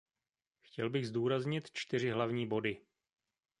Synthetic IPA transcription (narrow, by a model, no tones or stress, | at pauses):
xcɛlbɪɣzduːɾazɲɪt̪t͡ʃt̪ɪr̝ɪɦlavɲiːbo̞dɪ